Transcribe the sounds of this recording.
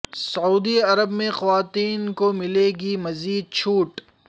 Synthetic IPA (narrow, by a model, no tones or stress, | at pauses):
sɐuːd̪iɐɾəbmẽxɐʋaːt̪iːnkomɪleɡimɐziːd̪̚t͡ʃʰuːʈ